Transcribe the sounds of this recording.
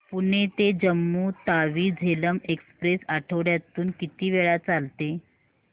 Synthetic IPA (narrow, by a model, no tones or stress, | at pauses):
puɳet̪ed͡ʑəmːuːt̪aʋiːd͡zʱeləmekspɾesaʈʰəʋɽjat̪uːnkit̪iːʋeɭat͡salt̪e